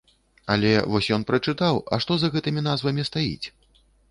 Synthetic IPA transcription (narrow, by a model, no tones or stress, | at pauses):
ɐlʲɛvɔsʲjɔnpɾɐt͡ʂɨt̪awɐ̰ʂt̪ɔzɐɣɛt̪ɨmʲin̪azvɐmʲist̪ajḭt͡sʲ